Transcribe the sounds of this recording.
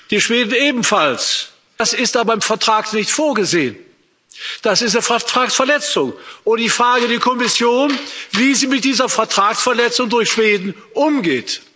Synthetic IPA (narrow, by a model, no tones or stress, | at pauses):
d̥iːʃv̥eːdn̩eːbm̩fals | asɪstaːbɐaɪmfɛɐtʁ̥aːknɪçtfoːɐɡəzeːən | d̥asɪstnəftʁ̥aːksfɛɐlɛt͡sʊŋʔʊd̥iːfʁ̥aːɡədɛːkʰɔmɪsjoːnviːziːmɪt̚d̥iːzɐfɛɐtʁ̥aːksfɛɐlɛt͡sʊŋdʊɐçʃv̥eːdn̩ | ʔʊmɡeːt